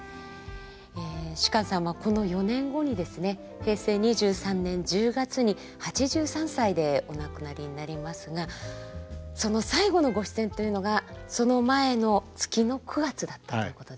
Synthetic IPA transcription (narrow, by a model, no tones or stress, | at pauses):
eːɕi̥kãɰ̃sãɰ̃βako̞no̞jo̞nẽ̞ŋɡo̞ɲ̟id̪e̞sɨne̞ | he̞ːse̞ːɲ̟iʑɨːsãnːẽ̞ɲ̟d͡ʑɨːɡat͡sɨɲ̟i | hat͡ɕiʑɨːsãɰ̃said̪e̞o̞nakɯ̟naɾʲiɲ̟inaɾʲimasɨɡa | so̞no̞saiɡo̞no̞ɡo̞ɕi̥sẽ̞nt̪o̞jɯ̟no̞ɡaso̞no̞mae̞no̞t͡sɨ̥kʲino̞kʰɯ̟ɡat͡sɨd̪at̪ːḁt̪o̰iɯko̞t̪od̪e